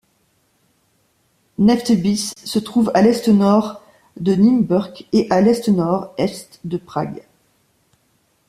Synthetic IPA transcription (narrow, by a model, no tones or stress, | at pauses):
nɛft̪bisːət̪χuvalɛst̪ənɔʁ | d̪ənymbœʁkeʔalɛst̪ənɔʁɛst̪d̪əpχaɡ